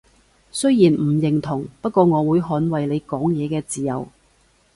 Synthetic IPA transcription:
sɵ˥ɥjiː˨˩nm̩˨˩jɪ˨ŋt̪ʰʊ˨˩ŋpɐ˥t̚kʷɔː˧ŋɔː˨˧wuː˨˧jɦɔː˨˥nwɐ˨jle˨˧jkɔː˨˥ŋjɛː˨˧kɛː˧t͡siː˨jɐ̰˨w

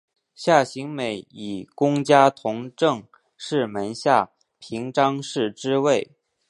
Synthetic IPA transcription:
ɕja˥˩ɕi˧˥ŋme˨˧˩ɪi˨˩kʊ˥ŋt͡ɕja˥t̪ʰʊ˧˥ŋʈ͡ʂɤ˥˧ŋ | ʂɻ̩˥˩mə˧˥nɕja˥˩ | pʰi˧˥ŋʈ͡ʂɑ˥ŋʂɻ̩˥˩ʈ͡ʂɻ̩˥we˥˩ɪ

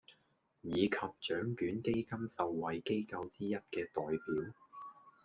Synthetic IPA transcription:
jiː˨˧kʰɐ˨p̚t͡ʃœː˨˥ŋkyː˨˥nke˥jkɐ˥msɐ˨wːɐ˨jke˥jkɐ˧wt͡siː˥jɐ˥t̚kɛː˧t̪ɔː˨jpiː˨˥w

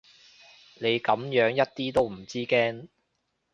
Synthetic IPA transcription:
ne˨˧jkɐ˨˥mjœː˨˥ŋjɐ˥t̚t̪iː˥t̪o˥wm̩˨˩t͡siː˥kɛː˥n

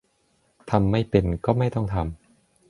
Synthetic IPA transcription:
t̪ʰa˧mːa˥˩jpe˧˩nkɔː˥˩ma˥˩jt̪ɔ˥˩ŋt̪ʰa˧m

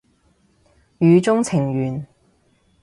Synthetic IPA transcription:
jyː˨˧t͡sʊ˥ŋt͡sʰɪ˨˩ŋjyː˨˩n

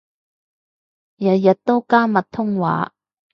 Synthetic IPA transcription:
jɐ˨t̚jɐ˨t̚t̪ːo˥wkaː˥mɐ˨t̚t̪ʰːʊ˥ŋwa̰ː˨˥

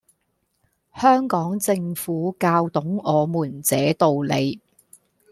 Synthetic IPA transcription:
hœː˥ŋkɔː˨˥ŋt͡sɪ˧ŋfuː˨˥kaː˧wt̪ʊ˨˥ŋɔː˨˧muː˨˩nt͡sɛː˨˥t̪o˨wle˨˧j

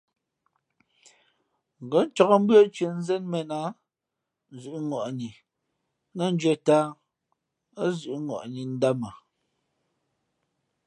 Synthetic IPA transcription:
ŋ˨ɡɔ˨˦n˦t͡ʃɔ˨kɔ˦m̩˦bɰɔ˦t͡ʃɥə˨n̩˦zɛ˦nmɛ˨na˦˨ | zʉ˨ʔŋɔ˨ʔni˨ | na˦˨n̩˦d͡ʒɛ˦˨ta˦ | a˦zʉ˨ʔŋɔ̰˨ʔni˨n̩˦da˦ma˨

